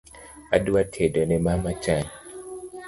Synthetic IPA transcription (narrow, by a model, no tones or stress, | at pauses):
aduatʰedonemamat͡ʃaɲ